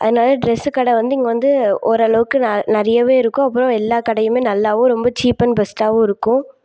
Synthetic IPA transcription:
ʔɐ̰ðɐnaːlɐɖɾɛsɯkɐɽɛʋɐnd̪ɯɪŋɡɐʋɐnd̪ɯɔɾɐɭɐʋɯkːɯnnɐɾɐjɐʋeːɪɾɯkːʊ̃ɐpːɯɾɔ̃ɛlːaːkɐɽɐjɯmeːnɐlːaːʋʊ̃ɾɔmbɐt͡ʃiːpɐnbɛsʈaːʋʊ̃ɪɾɯkːʊ̃

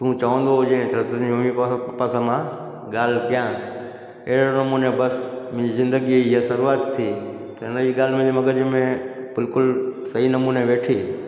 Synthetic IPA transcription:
t̪ũt͡ɕɐʋə̃nd̪oɦʊd͡ʑẽt̪ɐɐt̪əd͡ʑimɐmipɐpasamã | ɠaːl̤kijã | ɐɦɪɾonɐmunebɐsmɪ̃ːd͡ʑizɪ̃nd̪əɡiiɐsɐɾuaːt̪ʰːiː | t̪ɐɪnəd͡ʑiɡaːl̤mẽd͡ʑimɐɡəd͡ʑimẽbɪlkʊlsɐɦinɐmuːneʋeːʈʰiː

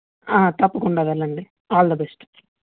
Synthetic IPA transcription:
aːt̪ɐpːukuɳɖaːʋɐlːɐɳɖi | aːld̪ɐbesʈ

